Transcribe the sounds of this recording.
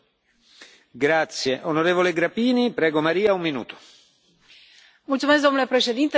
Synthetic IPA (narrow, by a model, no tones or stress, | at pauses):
ɡɾat̪sːjeʔonoɾeːvoleɡɾapiːnipɾɛːɡomaɾiːaumːinṵːt̪o̥ | mult̪sumesk̬̚d̪o̞nulepɾe̞ʃe̞d̪int̪e